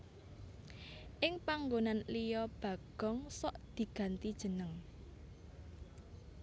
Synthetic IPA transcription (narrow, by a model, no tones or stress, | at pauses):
ʔɪŋpaŋɡonanlijɔb̥ä̤ɡ̥ɔ̤ŋsɔʔd̪̥i̤ɡ̥ä̤nt̪id̥ʒ̥ə̤nəŋ